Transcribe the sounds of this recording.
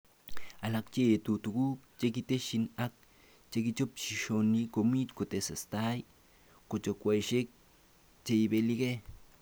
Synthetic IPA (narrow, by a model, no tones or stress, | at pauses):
alak̚t͡ʃeːt̪ut̪ukukt͡ʃekit̪eʃinak̚ | t͡ʃekit͡ʃopt͡ʃiʃonikomit͡ʃ̪kot̪esast̪aj | kot͡ʃokʷajʃek̚ | t͡ʃeibelike